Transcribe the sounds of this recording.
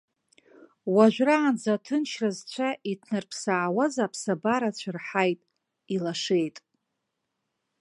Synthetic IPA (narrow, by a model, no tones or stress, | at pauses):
waʒᶣʷraːnd͡zatʰɨnʃrazt͡ɕʷʰaʔitʰnɨrpʰsaːwazapʰsabaɾat͡ɕʷʰarħajtʼ | ilaʂe̞jtʼ